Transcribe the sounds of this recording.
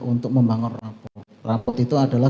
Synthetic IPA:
unt̪ʊk̚məmbaŋɔnrapɔt̪̚rapɔt̪it̪uad̥a̤la

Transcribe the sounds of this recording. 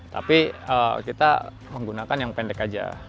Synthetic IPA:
t̪a̰piəkit̪a̰ | məŋɡunakanjaŋpɛndɛkad͡ʒa̰

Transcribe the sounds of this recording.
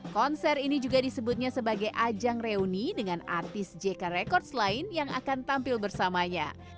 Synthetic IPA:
kɔnsɛrinid͡ʒuɡadisəbut̪̚ɲasəbaɡajʔad͡ʒaŋreunidəŋana̰rt̪ɪsd͡ʒekaɾekɔrt̪slaɪnjaŋa̰kant̪ampɪlbərsamaɲa̰

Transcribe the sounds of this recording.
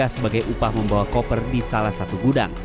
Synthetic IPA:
asəbaɡajʔupahməmbawakɔpərdisalahsat̪uɡuda̰ŋ

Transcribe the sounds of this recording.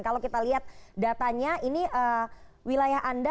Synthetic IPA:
nkalawkit̪aliɦat̪̚dat̪aɲainiʔəwilajaɦʔanda

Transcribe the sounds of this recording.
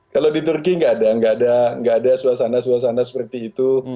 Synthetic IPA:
kalodit̪urk̬iŋɡaːdaŋɡaːdaŋɡaːdasuasanas̬uas̬anasə̥pərt̪iːt̪u

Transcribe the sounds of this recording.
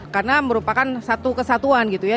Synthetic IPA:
karnaməɾupakansat̪ukəsat̪uanɡit̪uja

